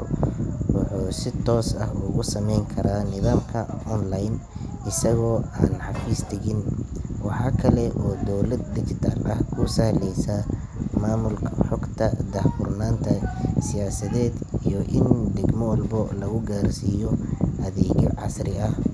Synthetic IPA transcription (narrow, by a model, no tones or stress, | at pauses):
rwʊħuːsɪt̪ʰɔːsɐ̰hʊɣʊsɐmɛjŋkʰɐɾaːnɪðaːmkʰɐɔnlajnɪsɐɣɔːa̰ːnħɑfiːst̪ʰɛɣɪnwɑħɑːkʰɐlɛʔɔːd̪ɔwlɐd̪̚d̪ɪt͡ʃɪt̪ʰa̰ːlʔɐ̰hkʰʊsɐhlɛjsɐ | maːmʊlkʰħɔɡt̪ʰɐd̪ɐhfʊrnaːnt̪ʰɐsɪjaːsɐðɛːd̪ijɔʔɪnd̪ɪɡmɔlbɔlɐɣʊɡaːrsiːjɔʔɐðɛːɣʕɑ̰srɪɐh